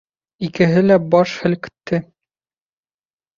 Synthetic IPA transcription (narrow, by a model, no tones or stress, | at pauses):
ikɘ̆ɦɘlæbɒʃhɘ̆lkɵ̥̆t̪ʰːɘ